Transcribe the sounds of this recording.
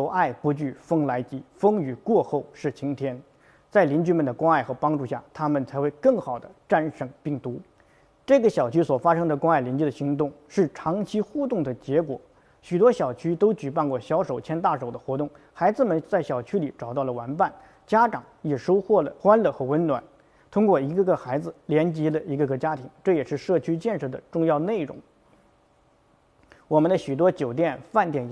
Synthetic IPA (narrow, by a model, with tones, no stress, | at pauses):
ʂo˨˧˩ʊʔa˥˩ɪpu˧˥t͡ɕy˥˩fɤ˥ŋla˧˥ɪt͡ɕi˧˥fɤ˥ŋy˨˩kwɔ˥˧xo˥˧ʊʂɻ̩˥˩t͡ɕʰi˧˥ŋt̪ʰjɛ˥n | t͡sa˥˩ɪli˧˥nt͡ɕy˥mə˨nd̪ə˩kwa˥ŋa˥˩ɪxɤ˧˥pɑ˥ŋʈ͡ʂu˥˧ɕja̰˥˩t̪ʰa˥mə˨nt͡sʰa˧˥ɪxwe˥˧ɪkɤ˥˩ŋxɑ˨˩ʊd̪ə˦ʈ͡ʂa˥˧nʂə˨˩ŋpi˥˩ŋt̪u˧˥ | ʈ͡ʂɤ˥˩ɡə˩ɕjɑ˨˩ʊt͡ɕʰy˥swɔ˨˩fa˥ʂɤ˥ŋd̪ə˨kwa˥ŋa˥˩ɪli˧˥nt͡ɕi˥˩də˩ɕi˧˥ŋt̪ʊ˥˩ŋʂɻ̩˥˩ʈ͡ʂʰɑ˧˥ŋt͡ɕʰi˥xu˥˧t̪ʊ˥˩ŋd̪ə˩t͡ɕjɛ˧˥kwɔ̰˨˩ | ɕy˨˩t̪wɔ˥ɕjɑ˨˩ʊt͡ɕʰy˥t̪o˥ʊt͡ɕy˨˩pa˥˧nkwɔ˥˩ɕjɑ˧˥ʊʂo˨˩ʊt͡ɕʰjɛ˥nt̪̬a˥˩ʂo˨˩ʊd̪ə˦xwɔ˧˥t̪ʊ˥˩ŋ | xa˧˥ɪd͡zɹ̩˧mə˨nt͡sa˥˩ɪɕjɑ˨˩ʊt͡ɕʰy˥li˨˩ʈ͡ʂɑ˨˩ʊt̪ɑ˥˩ʊlə˩wa˧˥npa˥˩n | t͡ɕja˥ʈ͡ʂɑ˨˩˦ŋjɛ˨˩ʂo˥ʊxwɔ˥˩lə˩xwa˥nlə˨˧˩xɤ˧˥wə˧˥nnwa̰˨˩˦n | t̪ʰʊ˥ŋkwɔ˥˩i˧˥ɡə˧ɡə˧˩xa˧˥ɪd͡zɹ̩˧ljɛ˧˥nt͡ɕi˧˥lə˧i˧˥ɡə˧ɡə˧t͡ɕja˥t̪ʰi˧˥ŋʈ͡ʂɤ˥˩jɛ˨˩ʂɻ̩˥˧ʂɤ˥˩t͡ɕʰy˥t͡ɕjɛ˥˧nʂɤ˥˩d̪ə̰˩ʈ͡ʂʊ˥˧ŋjɑ˥˧ʊne˥˩ɪɻʊ̰˧˥ŋ | wɔ˨˩mə˦nd̪ə˧ɕy˨˩t̪wɔ˥t͡ɕjo˨˩ʊt̪̬jɛ˥˩nfa˥˧nt̪jɛ˨˩n